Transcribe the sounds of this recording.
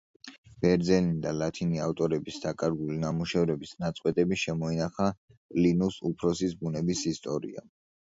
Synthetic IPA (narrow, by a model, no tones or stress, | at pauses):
b̥ɛɾd̪zɛnid̪alat̪ʰiniaft̪ʼɔɾɛbisd̪̥akʼaɾɡulinamuʃɛvɾɛbisnat̪sʼqʼwɛt̪ʼɛbiʃɛmɔinaχa | kʼlinusupʰɾɔsisbunɛbisist̪ʼɔɾḭa̰